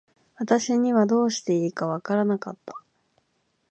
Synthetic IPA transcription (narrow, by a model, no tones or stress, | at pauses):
βat̪aɕiɲ̟iβad̪o̞ːɕi̥t̪e̞iːkaβakaɾanakat̪ːḁ